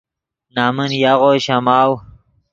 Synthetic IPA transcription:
naːmənjaʁoːɕamaːw

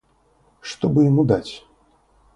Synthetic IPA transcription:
ʂt̪ɔbɨjamud̪at͡sʲ

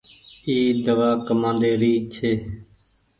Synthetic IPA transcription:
iːd̪əʋaːkəmãːd̪eːɾiːt͡ʃʰeː

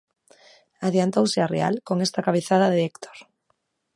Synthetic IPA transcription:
aðjant̪owsearḛa̰lkoŋest̪akaβ̞eθað̞aðeekt̪ʰo̥ɾ

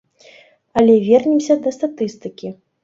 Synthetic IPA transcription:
ɐlʲɛvʲɛrnʲɛmsʲɐd̪ɐst̪at̪ɨst̪ɨkʲi

